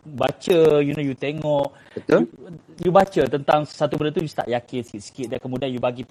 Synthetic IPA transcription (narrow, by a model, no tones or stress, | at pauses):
bat͡ʃəjunojut̪eŋɔʔ | bət̪ojubat͡ʃət̪ənt̪aŋsat̪ubəndət̪ujust̪a̰ʔjakɪnsə̥kɪt̪̚sə̥kɪt̪̚dankəmũdianjubaɡi